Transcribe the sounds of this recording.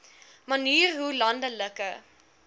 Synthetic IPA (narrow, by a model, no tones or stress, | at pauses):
mɐniːrɦulɐndələkə